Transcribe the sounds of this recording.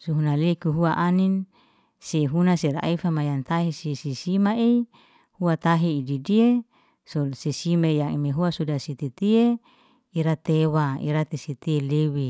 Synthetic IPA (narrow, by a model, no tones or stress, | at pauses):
suɦunalekuɦuaʔanin | seɦunaseɾa̰ʔifamajant̪aɦesisisimae | huat̪aɦeididie | sosisimaijaŋimeɦuasudasit̪it̪ie | iɾat̪ewaḭɾat̪esit̪ielewi